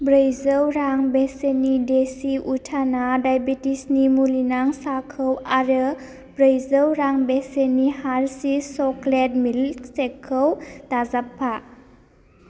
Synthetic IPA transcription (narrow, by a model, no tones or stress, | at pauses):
bɾejzəwɾaŋbesenidesiʔutʰanadajbitisnimulinaŋsakʰəwaɾɯ | bɾəjzəwɾaŋbesenihaɾsisɔklet̚milsekʰːəwd̥azapʰːa